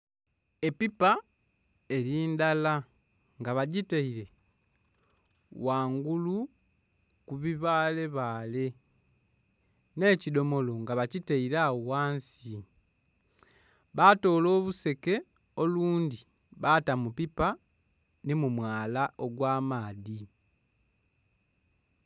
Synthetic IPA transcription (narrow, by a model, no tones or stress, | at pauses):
e̞pipa | e̞ɾiːndala | ŋɡaβaɟiteiɾe̞ | waːŋɡulu | kuβiβaːle̞βaːle̞ | ne̞cido̞mo̞lo̞ŋɡaβaciteiɾawaːnsi | βato̞ːlo̞ːβuse̞ke̞ | o̞luːndi | βatamupipa | nimumwaːlaoɡwaːmaːði